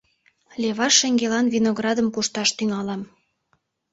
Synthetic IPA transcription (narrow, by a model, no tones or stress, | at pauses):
lʲeβɑʃeŋɡelɑnvinoɣrɑd̪əmkuʃt̪ɑʃt̪yŋɑlɑm